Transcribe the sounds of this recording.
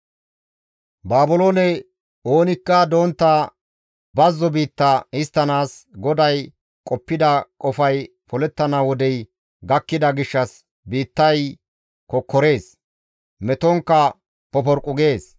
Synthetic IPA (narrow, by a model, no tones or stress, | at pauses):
baːbʊloːnɛ | o̞ːnɪkːɐd̪o̞ːnt̪ːa | bɐzːɔbiːt̪ːɐɪst̪ːɐnaːsɡɔd̪ɐj | kʼɔpːɪd̪ɐkʼɔfɐj | pɔlɛt̪ːɐnawɔd̪ɛj | ɡɐkːɪd̪ɐɡɪʃːɐs | biːt̪ːɐj | kɔkʰːɔɾe̞ːs | mɛt̪ɔŋkːɐ | pɔpɔɾkʼːʊɡe̞ːs